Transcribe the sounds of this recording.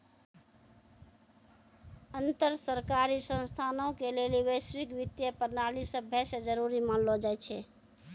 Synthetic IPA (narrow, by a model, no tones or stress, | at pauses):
ənt̪əɾsəɾkaɾisə̃nst̪ʰanõkeleliwəjswikʋit̪jəpəɾnalisəbʱɛsed͡ʒəɾuɾimanlod͡ʒajt͡ʃʰɛ